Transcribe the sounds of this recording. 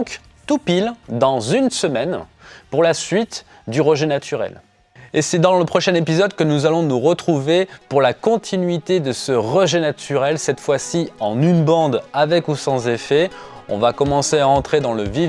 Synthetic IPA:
k | t̪upild̪ɑ̃zynsəmɛnpuʁlasɥit̪ | d̪yʁəʒɛnat̪ʰyʁɛ̰l | esɛd̪ɑ̃ləpχɔʃɛ̃nepizɔd̪kənuzalɔ̃nuʁət̪χuvepuʁlakɔ̃t̪ʰinɥit̪ed̪əsəʁəʒenat̪ʰyʁɛlsɛt̪fwasiɑ̃nynbɑ̃d̪avɛkusɑ̃zefɛɔ̃vakɔmɑ̃seaɑ̃t̪χed̪ɑ̃ləvi

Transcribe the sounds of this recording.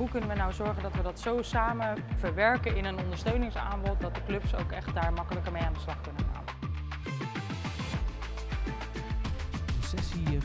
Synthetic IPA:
ɦukɵnənʋənawzɔɹχəndɑtʋədɑtsowsaːmənv̥əɹʋɛɹkəɪnənɔndəɹstøɥnɪŋsa̰ːmbɔt̚dɑt̚dəklɵpso̰wkɛχt̚daːɹmɑkələkəɹmejaːndəslɑχkɵnənχa̰ːn | əsɛsi

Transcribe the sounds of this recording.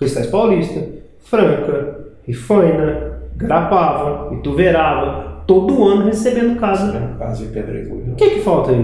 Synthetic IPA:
kɾist̪ajspawlist̪ɐ | fɾɐ̃ŋkɐhifɐ̃jnɐɡɾapavɐɪt̪uveɾavɐt̪od̪ʊɐ̃nʊɦesebẽnd̪ʊkazɐka̰zɐpeb̪ɾḛɡṵkɪkɪfawt̪ɐi

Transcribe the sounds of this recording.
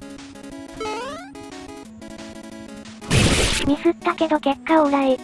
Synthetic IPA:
mʲisɨt̪ːake̞d̪o̞ke̞kːaoɯɾaɾe

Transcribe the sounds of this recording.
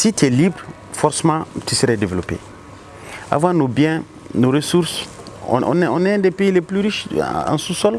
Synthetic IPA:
sit̪ɛlibɾ | fɔɾsemãt̪ysəɾɛdevelɔpḛ | a̰vãnobjɛ̃ | noɾesuɾsɔ̰̃ʔɔ̰̃nɛɔ̃nɛ̃dɛpeileplyɾiʃã̰susɔl

